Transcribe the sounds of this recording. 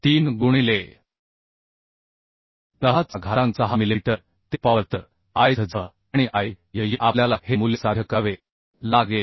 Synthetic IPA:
t̪iːnɡuɽ̃ile | t̪əɦat͡saɡʱaɾãnt͡saɦamiliʈ̪ə | t̪epaʋəɾt̪ə | ajəd͡zʱə | aɽ̃iʔai | jəjiʔaljalahemuljəsad̪ʱjəkaʋe | laɡe

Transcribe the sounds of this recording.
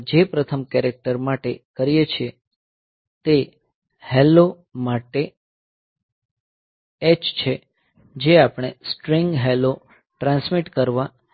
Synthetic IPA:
d͡ʒepɾət̪ʰəmkɛɾek̚ʈəɾmaʈekəɾijet͡ʃʰie | t̪e | helo | maʈe | et͡ʃt͡ʃʰe | d͡ʒeapɳ̃esʈɾiŋɡɦelo | ʈɾãnsmiʈkəɾʋa

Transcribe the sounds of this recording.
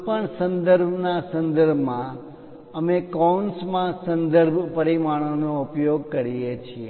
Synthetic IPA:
pəɳsə̃nd̪əɾbʱnasə̃nd̪əɾbʱmã | əmekonsmãsənd̪əɾbʱpəɾimaɽ̃onoupjoɡ̚kəɾijet͡ʃʰie

